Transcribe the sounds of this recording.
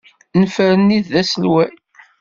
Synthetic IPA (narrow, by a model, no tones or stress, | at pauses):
nəfɾənːiðːæsəlwæj